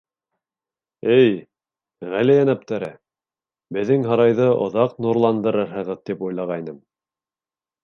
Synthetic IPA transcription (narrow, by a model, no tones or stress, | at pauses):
ɘj | ʁælæjænæp̚t̪æɾɘ | bɘ̆ðːɘŋɦɑɾɑjðɤʔŏ̰ðɑqnuɾlˠɑnd̪ɤ̆ɾɤɾɦɤ̆ʁɤðt̪ipujlˠɑʁɑjnɤm